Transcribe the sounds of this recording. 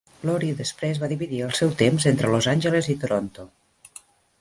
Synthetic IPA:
lɔɾiðəspɾezβaðiβiðiəlˠsɛwt̪emzent̪ɾəlozanʲʒəlezit̪oɾont̪o

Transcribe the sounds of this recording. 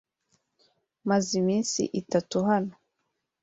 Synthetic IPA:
mazimiːnsḭʔitatuɦano

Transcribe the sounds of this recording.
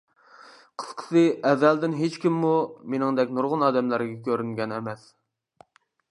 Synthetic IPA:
qʰə̥sqʰə̥sɨɛvæld̪ɪnɦet͡ʃkʲimːumenɪŋd̪ɛkʲnuɾʁʊnɑːd̪ɛmlæɾɡʲɛkʲʰøɾyŋɡʲɛnɛmɛs

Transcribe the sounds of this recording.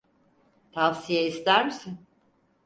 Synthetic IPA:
t̪ʰafsijeist̪æɾmisin

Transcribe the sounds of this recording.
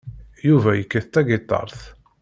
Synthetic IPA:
juvæjəkːəθt̪æɡɪt̪ˤːɑ̰ɾˤθ

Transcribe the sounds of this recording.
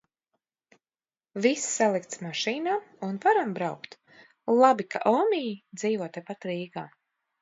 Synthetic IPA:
vissalˠikt̪smaʃiːnamunvaɾambɾawkt̪ | lˠabika̰ʔɔːmʲijid̪z̥iːvɔt̪ɛpat̪ɾiːɡaː

